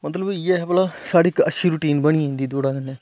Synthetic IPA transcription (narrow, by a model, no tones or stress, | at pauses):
mət̪ləbjeɦɛpəlasaːɽɪkəʃiːɾuʈiːnbəɽ̃iĩːnd̪iːd̪oːɽaːənːɛː